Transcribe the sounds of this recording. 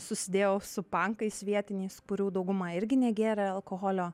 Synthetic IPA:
sʊsʲɪd̪ʲeːjoːsʊpɐŋkɐɪsʋʲiɛt̪ʲɪnʲɛɪskʊɾʲuːd̪ɐʊɡʊmɑɪɾʲɡʲɪnʲɛɡʲæːɾʲɛɐlˠkoːɦoːlʲoː

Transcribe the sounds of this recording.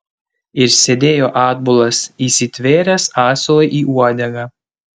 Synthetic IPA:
ɪɾsʲed̪ʲeːjoːʔɑːd̪bʊlˠɐsiːsʲɪt̪ʲʋʲeːɾʲɛsɑːsʲlˠɔɪʔiːʔuɔd̪ʲɛɡɑ

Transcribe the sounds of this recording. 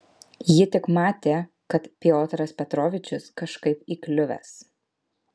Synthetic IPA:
jɪt̪ʲɪkmɑːt̪ʲeː | kɐt̪pʲɪoːt̪ʲɾɐspʲɛt̪ɾoːʋʲɪt͡ʃʲʊskɐʃkɐɪpiːklʲʊʋʲɛ̰ːs

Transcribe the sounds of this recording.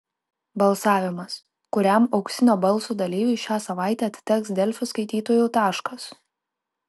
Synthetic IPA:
bɐlˠsɑːʋʲɪmɐs | kʊɾʲæˑmɒʊksʲɪnʲoːbɐlˠˑsuːd̪ɐlʲiːʋʲʊʃʲæːsɐʋɑˑɪt̪ʲɛːɐt̪ʲt̪ʲɛksd̪ʲɛlʲfʲʊskɐɪt̪ʲiːt̪oːjʊːt̪ɑːʃkɐs

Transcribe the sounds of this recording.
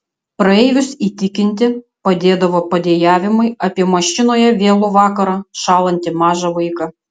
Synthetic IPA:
pɾɐeːjʲʊsiːt̪ʲɪkʲɪnʲt̪ʲɪpɐd̪ʲeːd̪ɐʋoːpɐd̪ʲeːjæːʋʲɪmɐɪɐpʲiɛmɐʃʲɪnoːjɛʋʲeːlˠʊʋɑːkɐɾɑːʃɑːlˠɐnʲt̪ʲɪmɑːʒɐʋɐɪkɐ

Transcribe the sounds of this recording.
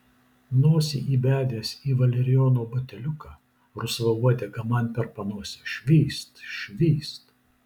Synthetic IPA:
noːsʲiʔiːbʲæːd̪ʲeːsʲiːʋɐlʲɛɾʲɪjoːnoːbɐt̪ʲɛlʲʊkɑː | ɾʊsʋɐuɔd̪ʲeɡɐmɐnʲpʲɛɾpɐnuɔsʲɪʃʲʋʲiːst̪ʃʲʋʲiːst̪

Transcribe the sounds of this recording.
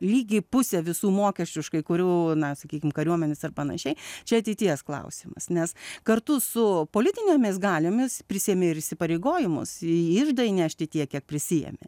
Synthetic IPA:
lʲiːɡʲɪpʊsʲɛʋʲɪsuːmoːkʲɛʃʲt͡ʃʲʊʃkɐɪkʊɾʲuːnɐsɐkʲiːkʲɪmkɐɾʲuɔmʲɛnʲɛsɐrpɐnɐ̰ʃʲɛɪt͡ʃʲɛɐt̪ʲɛɪt̪ʲiɛsklˠɐ̰ʊsʲɪmɐ̰snʲɛskɐrt̪ʊsʊpoːlʲɪt̪ʲɪnʲeːmʲɪsɡɑːlʲɪmʲɪspʲɾʲɪsʲijɛmʲeɪɾɪsʲɪpɐɾʲeɪɡoːjɪmʊ̰sɪɪʒd̪ɐɪnʲæːʃʲt̪ʲɪt̪ʲiɛkʲiɛk̚pʲɾʲɪsʲɪjɛ̰mʲɪ̰

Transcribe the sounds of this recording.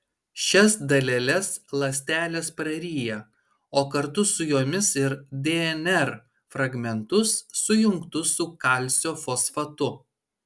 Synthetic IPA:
ʃʲɛsd̪ɐlʲɛlʲɛslˠɐsʲt̪ʲæːlʲeːspɾɐɾʲiːjɛ | oːkɐɾt̪ʊsʊjoːmʲɪsɪɾd̪ʲeɛnʲɛɾ | fɾɐɡmʲɛnt̪ʊsːʊjʊŋkt̪ʊsʊkɐˑlʲˑsʲoːfoːsfɐt̪ʊ

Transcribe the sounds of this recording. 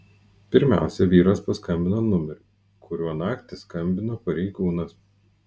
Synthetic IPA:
pʲɪɾʲmʲæ̰ˑʊsʲɛʋʲiːɾɐspɐskɐmʲbʲɪnoːnʊmʲɛɾʲʊ | kʰʊɾʲuɔnɑːkt̪ʲɪskɐmʲbʲɪnoːpɐɾʲɛɪɡuːnɐs

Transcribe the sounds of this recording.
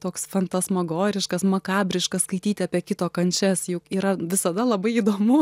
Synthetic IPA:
t̪oːksfɐnt̪ɐsmɐɡoːɾʲɪʃkɐsmɐkɑːbʲɾʲɪʃkɐsskɐɪt̪ʲiːt̪ʲɪɑːpʲiɛkʲɪt̪oːkɐnʲt͡ʃʲɛsjʊkiːɾɐʋʲɪsɐd̪ɐlˠɐbɐɪiːd̪oːmʊ

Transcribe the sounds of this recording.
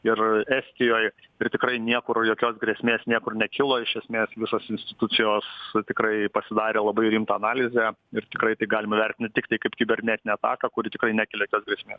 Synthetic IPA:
ɪræːsʲt̪ʲɪjoːj | ɪrt̪ʲɪkrɐɪnʲiɛkʊrjoːkʲoːsɡɾʲɛsʲmʲeːsʲnʲiɛkʊrnʲɛkʲɪlˠoːɪʃʲɛsʲmʲeːsʋʲɪsoːsɪnʲsʲt̪ʲɪt̪ʊtsʲɪjoːst̪ʲɪkrɐɪpɐsʲɪd̪ɑːɾʲeːlˠɐbɐɪɾʲiːmt̪ɐːnɑːlʲɪzʲɛɪrt̪ʲɪkɾɐɪt̪ɐɪɡɑːlʲɪmɐʋʲɛrʲt̪ʲɪnʲt̪ʲɪt̪ʲɪkt̪ɐɪkɐɪpkʲɪbʲɛɾʲnʲɛt̪ʲɪnʲɛɐt̪ɑ̰ːkɐkʊɾʲɪt̪ʲɪkrɐɪnʲæːkʲɪlʲejoːkʲoːsɡɾʲiɛsʲmʲeːs

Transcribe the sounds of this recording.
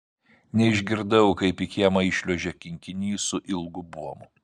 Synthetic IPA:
nʲɛɪʒʲɡʲɪɾd̪ɐʊkɐɪpɪkʲiɛmɐɪʃʲlʲuʒʲɛkʲɪŋʲkʲɪnʲiːsʊʔɪlˠɡʊbuɔmʊ

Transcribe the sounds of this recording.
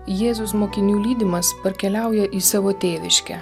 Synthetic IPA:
jeːzʊsmoːkʲɪnʲuːlʲiːd̪ʲɪmɐspɐɾʲkʲɛlʲæˑʊjɛʔiːsɑʋoːt̪ʲeːʋʲɪʃʲkʲɛ̰

